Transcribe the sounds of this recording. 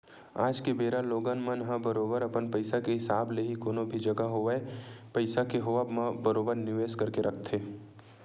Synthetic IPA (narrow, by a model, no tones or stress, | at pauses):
a̰ːd͡ʒkebeːɾaloːɡanmə̃nɦãbəɾoːbəɾɐpənpɐɪsakeɦɪsaːbleɦikoːnõbʱid͡ʒɐɡaɦoʋepɐɪsakeɦoːʋabmãbəɾoːbəɾnɪʋeːskɐɾkeɾʔɐk̚ʰt̪ʰeː